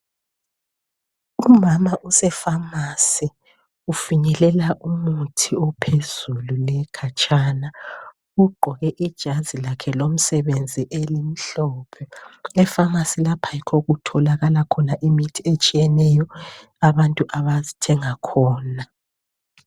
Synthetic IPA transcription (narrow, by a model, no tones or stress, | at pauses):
umamaʔusɛfamasi | ufiɲɛlɛlaʔumutʰiɔpʰez̥ululɛkʰat͡ʃʼaːna | uɡ͡ǃʱɔɣɛʔid̥ʒ̥ʱazilakʰɛlom̩sɛβend͡zʱiʔelim̩ɬɔːpʰɛɛfamasilapʰajikʰoɣutʰɔlaɣalakʰɔnaʔimitʰiet͡ʃʼijɛnɛjɔ | aβantʼuʔaβazitʰɛŋakʰɔːna